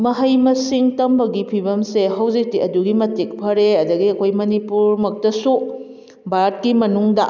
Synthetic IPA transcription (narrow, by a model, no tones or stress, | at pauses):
mɐɦɐjmɐsiŋtɐmbɐɡipʰibɐmseɦɐwzik̚tiɐduɡimɐtik̚pʰɐɾeɐdɐɡiɐkʰojmɐnipuɾmɐk̚tɐsu | baɾt̚kimɐnuŋdɐ̰